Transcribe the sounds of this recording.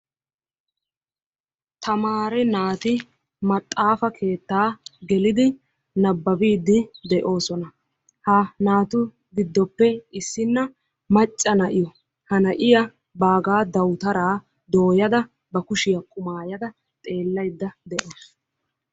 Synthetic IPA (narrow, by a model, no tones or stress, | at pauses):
t̪ʰɐmaːɾɛnaːt̪ɪ | mɐt̪ʼːaːfɐkʰe̞ːt̪ːaːɡɛlɪd̪ɪ | nɐbːɐbiːd̪ːɪd̪ɛʔo̞ːsɔnɐ | hɐnaːt̪ʊ | ɡɪd̪ːɔpːɛɪsːɪnːɐ | mɐt͡ʃʼːɐnɐʔɪjɔ | hɐnɐʔɪjɐ | baːɡaːd̪ɐwt̪ɐɾaː | d̪o̞ːjɐd̪ɐ | bɐkʊʃɪjɐkʊmaːjɐd̪ɐ | t̪ʼe̞ːlːɐjd̪ːɐd̪ɛʔos